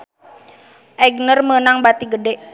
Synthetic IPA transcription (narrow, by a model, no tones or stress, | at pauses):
ʔɛɡnərmənaŋbat̪iɡədɛʔ